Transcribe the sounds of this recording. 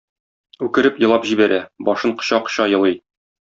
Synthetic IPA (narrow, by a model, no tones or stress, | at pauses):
ʉkɘ̆ɾɘpjɤ̆lˠɑpʑibæɾʔæbɒʃɤɴqɤ̥̆ɕɑqɕɑjɤ̆lˠɤj